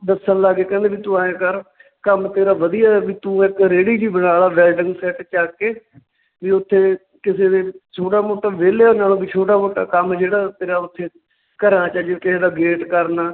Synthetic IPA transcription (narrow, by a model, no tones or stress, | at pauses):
d̪əsə̃ːlaɡeːkɛ̃ːnd̪eːbiːt̪ũːaːẽːkəɾ | kəmt̪eːɾaːʋəd̪ijaːʋiːt̪ũːɪkɾeːɽiːd͡ʒiːbəɽaːlaːʋɛːlɖɪŋɡsɛːʈt͡ʃaːkeː | ʋiːʊt̪ʰːeː | kɪseːd̪eːt͡ʃʰoːʈaːmoːʈːaːʋeːleːõːnaːlõːbiːt͡ʃʰoːʈaːmoːʈa̰ːkəmd͡ʒeːɽaːt̪eːɾaːʊt̪ʰːeː | kəɾãːt͡ʃaːd͡ʒekɪseːd̪aːɡeːʈkəɾnaː